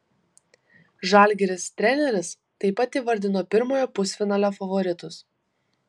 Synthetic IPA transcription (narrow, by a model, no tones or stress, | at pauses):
ʒɑːˑlʲɡʲɛɾʲɪst̪ʲɾʲɛnʲɛɾʲɪs | t̪ɐɪpɐt̪iːʋɐɾʲd̪ʲɪnoːpʲɪɾmoːjoːpʊsʲfʲɪnɑːlʲofɐʋɔɾʲɪt̪ʊs